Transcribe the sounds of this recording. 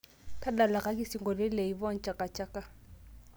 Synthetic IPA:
kʰa˦da˨la˨ka˦ki˦si˨ŋɡɔ˨lɛ˦le˨i˨βɔ˦n̩˨t͡ʃʼa˨ka˨t͡ʃʼa˦ka˦

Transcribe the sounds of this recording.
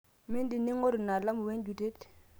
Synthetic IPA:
mi˦ndi˨ni˦ŋo˦ɾu˨na˨la˦mu˨we˦nd͡ʒu˨te˦t

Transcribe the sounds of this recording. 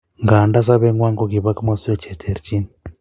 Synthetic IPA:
ŋɡaː˨nda˦s̬a˦βe˦ŋwaː˦ŋɡoɡi˨βa˦ki˦mwa˦se˦t͡ʃe˨tʰe˨ɾit͡ʃi˦ni

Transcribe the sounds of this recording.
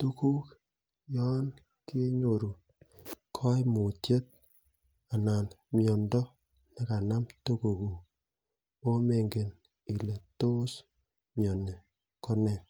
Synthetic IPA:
tu˦ku˦k | jɔ˦n | ke˦ɲo˨ɾu˨ | kʰɔ˦jmu˨tje˦t̚ | a˨na˨nmjɔ˨ndɔ˦ | ne˦ka˨na˦mtu˦ko˨ku˨ | o˦me˨ŋɡe˨n | i˨le˨to˦s | mjɔ˨ne˨ | kɔ˦nɛ˨

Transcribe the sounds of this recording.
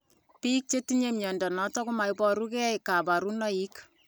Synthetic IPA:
piː˦k̚t͡ʃe˦ti˦ɲemjɔ˨ndɔ˨nɔ˨˦tɔ˦kʊ˦ma˨jpɔ˨ɾu˦ke˦ɛ˦jka˨ba˨ɾu˦nɔ˦i˦k

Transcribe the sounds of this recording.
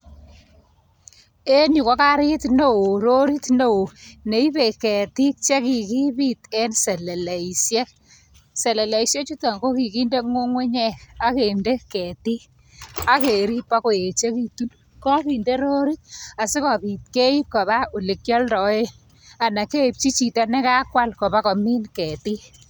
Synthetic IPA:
e˦nu˨ko˨˦ka˦ɾɪ˦tno˦wo˨ɾo˦ɾi˦tno˦o˨ne˨i˦pe˨kɛ˨ti˦k̚t͡ʃe˦ki˨ki˦pi˦tɛ˦nsɛ˨lɛ˨lɛ˨i˨sjɛ˦k̚ | sɛ˨lɛ˨le˨i˨sje˦t͡ʃu˦ta˨ŋɡo˦ki˨ki˦nde˦ŋo˦ŋwe˦ɲɛ˦ka˦ke˨nde˦kɛ˨ti˦ | a˨ke˨ɾi˦pa˦ko˨e˨t͡ʃe˦ki˨tu˦n | kɔ˦ki˨nde˦ɾo˦ɾi˦t̚a˨sɪ˦kɔ˨pi˨t̚ke˦i˦p̚kɔ˨βa˦u˨lɪ˨kjɔ˦ldɔ˨e˦ | a˨na˨ke˦i˨p̚t͡ʃi˦t͡ʃi˨tɔ˦nɛ˦ka˦kwa˦lkɔ˨ba˦kɔ˨mi˦nkɛ˨ti˦

